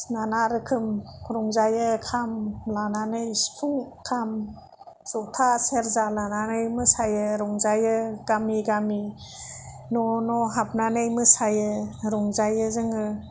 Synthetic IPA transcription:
nanaɾɯkʰɯmʰɾɔŋzajɯkʰamlananɯjspʰuŋkʰam | sɔtʰaseɾzalananɯjmɯsajɯɾɔŋzajɯɡamiɡami | nɔnɔɦap̚nanɯjmɯsajɯɾɔŋzajɯzɯŋɯ

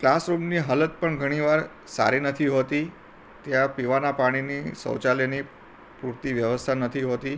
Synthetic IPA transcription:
klasɾumniɦalət̪̚pəɳɡʱəɽ̃iʋaɾ | sa̰ɾinət̪ʰiɦot̪i | t̪jãpiʋanapaɽ̃inisə̰wt͡ʃalini | puɾt̪iʋjəʋəst̪ʰanət̪ʰiɦot̪i

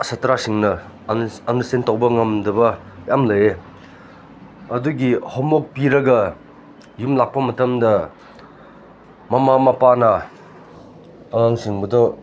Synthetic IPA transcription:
sɐtɾasiŋnɐ | ɐndɐsentawbɐŋɐmdɐbɐ | jamlɐje | ɐduɡihɔmok̚piɾɐɡɐ | jumlak̚pɐmɐtɐmdɐ | mɐmamɐpanɐ | ŋaŋsiŋbɐdɔ

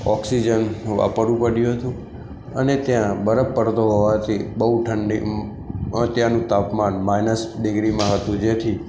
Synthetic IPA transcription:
ɔksid͡ʒənʋa̰pəɾũpəɽjũɦət̪ũ | ənet̪jãbəɾəpːəɾt̪oɦoʋãt̪ʰibəɦuʈʰəɳɖi | t̪jãnũt̪apmanmajnəsɖɪɡɾimãɦət̪ũd͡ʒet̪ʰi

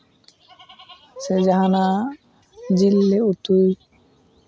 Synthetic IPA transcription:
sed͡ʒaɦana | d͡ʒilːeut̪uj

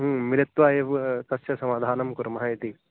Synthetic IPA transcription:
ɦũmiɾɐt̪ʋaːjeʋt̪ɐsjɐsɐmaːd̪ʱaːnɐmkuɾmɐɦaːjit̪i

